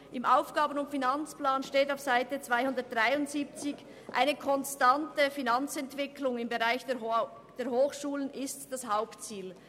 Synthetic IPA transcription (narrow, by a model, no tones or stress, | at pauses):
ʔɪmʔaʊfɡ̥aːbənʊntfinant͡splaːnʃteːtaʊfsaɪtət͡sv̥aɪhʊndɐt̚d̥ʁaɪʊntz̥iːp̚t͡sɪç | ʔa̰ɪnəkʰɔnstantəfinant͡sɛntv̥ɪkʰlʊŋɪmbəʁaɪç̥ | d̥eːɐhoːxʃuːlənʔɪstd̥ashaʊptt͡siːl